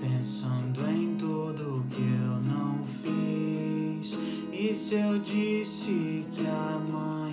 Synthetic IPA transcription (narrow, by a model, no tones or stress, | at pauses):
pẽsɐ̃nd̪ʊẽj̃t̪od̪ʊkɪewnɐ̃w̃fi | s | isewd͡ʒisɪkɪamɐ̃j̃